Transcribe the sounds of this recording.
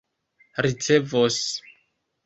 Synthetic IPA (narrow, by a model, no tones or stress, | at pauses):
ɾit͡se̞vos